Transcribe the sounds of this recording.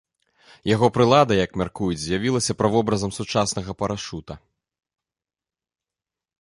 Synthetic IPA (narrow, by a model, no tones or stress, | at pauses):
jaɣɔpɾɨlˠad̪ɐjɐkmʲarkujud͡zʲzʲjavʲilˠɐsʲɐpɾɐvɔbɾɐzɐmsut͡ʂasnɐɣɐpɐɾaʂut̪ɐ